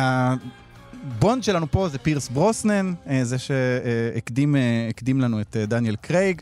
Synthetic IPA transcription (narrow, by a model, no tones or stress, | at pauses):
a | bo̞ndʃelanupo̞zepiʁsbʁosnenezeʃeekdimekd̪imlanuet̪edanjelkʁejɡ